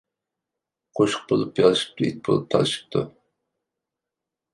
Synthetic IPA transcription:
qʰoʃʊ̥q̚bolˠupjɑlˠɨʃi̥p̚t̪ʰuit̪̚bolˠup̚t̪ʰɑ̰lˠɨʃi̥p̚t̪ʰu

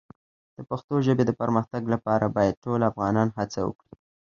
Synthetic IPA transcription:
d̪̥əpaxt̪oʒəbed̪əpəɾməxt̪aɡlapɑɾabɑjad̪̚ʈolafɣɑnɑnɦat͡sawə̰kɽi

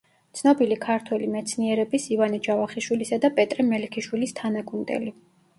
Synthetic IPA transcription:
t̪sʰnɔbilikʰaɾt̪ʰwɛlimɛt̪sʰniɛɾɛbisivanɛd͡ʒavaχiʃwilisad̪apʼɛt̪ʼɾɛmɛlɛkʰiʃwilist̪ʰanaɡʼund̪ɛ̰li

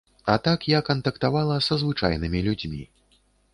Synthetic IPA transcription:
ɐt̪akjakɐnt̪ɐkt̪avalˠɐsɐzvɨt͡ʂa̰jnɨmʲilʲud͡zʲmʲḭ

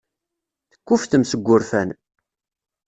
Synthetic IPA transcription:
θəkʷːufθəmsəɡʷːʊɾfæn

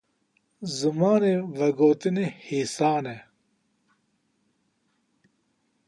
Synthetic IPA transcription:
zumaːneʋɐɡoːt̪inehiːsaːne

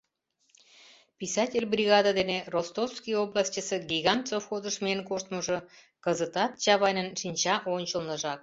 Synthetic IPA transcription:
pisɑtʲelʲbrʲiɣɑd̪ɑd̪enerost̪ofskijoblɑsʲt͡ɕəsĕɡiɣɑnt̪sofxod̪əʃmenkoʃt̪məʒɤ̆ | kəzət̪ɑt̪̚t͡ɕɑβɑjnʲənʃinʲt͡ɕɑʔonʲt͡ɕəlnə̆ʒɑk̚

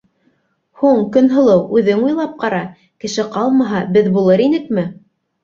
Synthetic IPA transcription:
huɴkɵ̆nɦɤ̆lˠɤwʉðɘŋujlˠɑp̚qɑɾɑ | kɘ̆ʃɘqɑlˠmɑɦɑbɘðbulˠɤɾinɘkmɘ

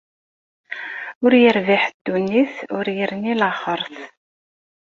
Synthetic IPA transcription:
ʊɾjəɾviħd̪̥ːunːiθʊɾjəɾnilaχəɾˤθ

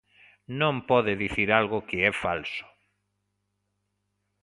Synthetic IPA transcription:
nõmpɔðɪðiθiɾalɣʊkɪɛfalsʊ̥

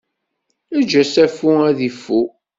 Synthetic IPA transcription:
æd͡ʒæsæfuæðifːu

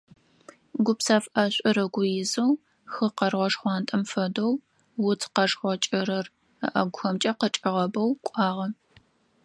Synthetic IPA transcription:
ɡʷʊpsaːfʔɐɕʷʼɪɾɐɡʷʊjɪzɐw | xɨqɐrʁʷɔʂχʷɑːntʼɐmfɐdow | wʊtʰqɐʂχʷɔt͡ʃʼɪɾɐr | ɐ̰ʔɐɡʷʊxɐmt͡ʃʼɐqət͡ʃʼɪʁɐbɐwkʷʼɑːʁɐ

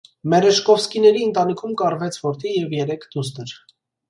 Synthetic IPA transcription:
mɛɾɛʃkɔfskinɛɾiənt̪ɑnikʰumkɑrvɛt͡sʰvɔɾt̪ʰijɛvjɛɾɛkʰd̪ust̪əɾ

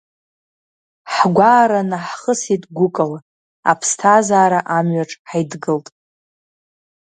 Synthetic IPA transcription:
ħɡʷaːɾanaħχəsitʼɡʷʊkʼala | a̰pʰstʰazaːɾaʔamɥaʈ͡ʂʼħajdɡɨltʼ

